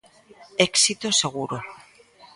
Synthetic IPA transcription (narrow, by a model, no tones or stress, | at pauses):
eksit̪oseɣ̞uɾo